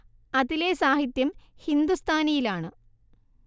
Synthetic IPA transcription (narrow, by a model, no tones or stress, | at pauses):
ɐðilesaːhit̪jɐmhind̪ust̪ʰaːnɐjilaːɳɨ